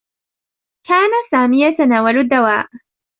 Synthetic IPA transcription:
kaːnasaːmɪjat̪anaːwalad̪ːawaːʔ

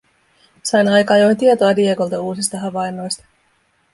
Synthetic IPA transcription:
sɑjnɑjkɑːjojnt̪iet̪o̞ɑdieko̞lt̪ɑuːsist̪ɑɦɑʋɑjnːo̞jst̪ɑ̥

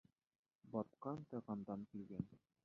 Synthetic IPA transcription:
bɒt̪̚qɑnt̪ɤ̆ʁɑnd̪ɑnkilɡæn

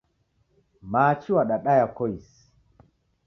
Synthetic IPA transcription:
maːt͡ʃiwaɗaɗajakɔjs

